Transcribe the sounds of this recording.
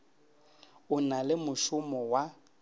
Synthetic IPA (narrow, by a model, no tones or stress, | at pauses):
ʊnalɪmʊʃʊmɔwa